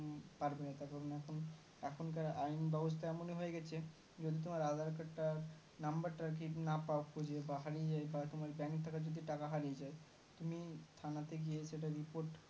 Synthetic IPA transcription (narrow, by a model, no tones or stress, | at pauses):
paɾbenat̪aɾkɔɾonɛkʰon | ɛkʰonkaɾʔajnbɛbos̬t̪ʰaɛmoneɦoeɡɛt͡ɕʰe | d͡ʑod̪ʱit̪omaɾad̪ʱaɾkaʈʈːaɾ | nambaɾʈaɾk̬inapaokʰud͡ʑʱebaɦaɾijed͡ʑaebat̪omaɾbɛŋkʈ̪ʰːakad͡ʑod̪ʱiʈakaɦaɾied͡ʑae | t̪umit̪ʰanat̪eɡijeʃeʈaɾipoɾʈ